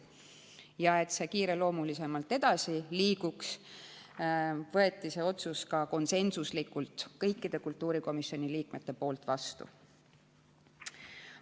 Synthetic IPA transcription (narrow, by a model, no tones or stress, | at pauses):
jɑe̞t̪se̞kiːɾe̞lo̞ːmulise̞mɑlt̪ːˑe̞d̪̥ɑsiliːɡuks | vɤ̞e̞t̪ːise̞ːo̞t̪suskɑko̞nse̞nsuslikːult̪kɤ̞jkːid̪̥e̞kult̪ːuːɾiko̞misio̞nʲiliːkme̞t̪ːe̞po̞ːlt̪vɑst̪ṵ